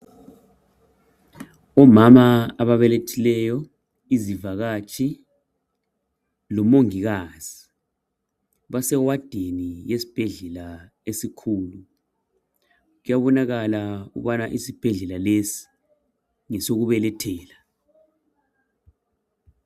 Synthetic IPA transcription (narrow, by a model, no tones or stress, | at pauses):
ɔmamaaβaβɛletʰilɛjɔ | izivaɣat͡ʃʼʰi | lɔmoŋiɣaz̥i | βasɛwad̥ʱenijesi̥b̥ʱɛɮɛla | esikʰuːlu | ɣujaβɔnaɣalaṵβanaʔisib̥ʱɛɮɛlalesi̥ | ŋɛsoɣuβɛlɛtʰɛːla